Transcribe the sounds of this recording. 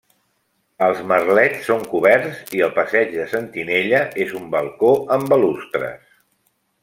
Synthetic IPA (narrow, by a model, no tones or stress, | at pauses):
əlˠzmərlɛt͡sːoŋkuβɛɾziəlˠpəsɛd͡ʒðəsənt̪ineʎəʔezumbəlˠkoəmbəlust̪ɾə̰s